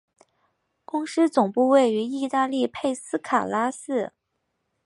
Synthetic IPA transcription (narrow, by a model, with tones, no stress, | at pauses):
kʊ˥ŋʂɻ̩˥t͡sʊ˨˩ŋpu˥˧we˥˩ɪy˧˥i˥˧t̪a˥˧li˥˧pʰe˥˩ɪsɹ̩˥kʰa˨˩la˥sɹ̩˥˩